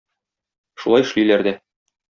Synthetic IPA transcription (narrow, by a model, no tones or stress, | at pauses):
ʃulˠɑjɘ̆ʃlijlæɾd̪æ